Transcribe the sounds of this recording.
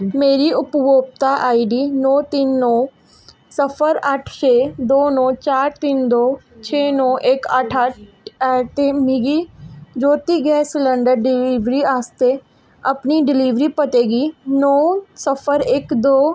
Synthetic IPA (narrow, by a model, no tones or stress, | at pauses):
meːɾiːʊpʋoːp̚t̪aːʔaːiɖiːnɔːt̪ɪnːɔː | səpʰəɾəʈʰt͡ʃʰeːd̪oːnɔ̃ːt͡ʃaːɾt̪ɪnd̪oːt͡ʃʰeːnɔ̃ːʔɪkəʈʰəʈ̚ː | t̪emiɡiːd͡ʒoːt̪iːɡɛːsləɳɖəɾɖɪliːʋɾiːaːst̪eː | əpniːɖɪliːʋɾiːpət̪eːɡiːnɔːsəpʰəɾɪkd̪oː